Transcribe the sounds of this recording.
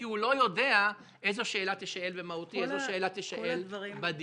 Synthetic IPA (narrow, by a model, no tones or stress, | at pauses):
iulo̞jo̞d̪ea | ʔejzoʃeːlat̪iʃaelvemahut̪iezoʃeelat̪iʃaʔelbad̪